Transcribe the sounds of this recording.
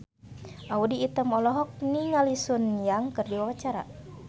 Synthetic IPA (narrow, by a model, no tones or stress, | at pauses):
ʔaudiːt̪əmɔlɔɦɔk̚niŋalisunjaŋkərdiwawat͡ʃaɾa̰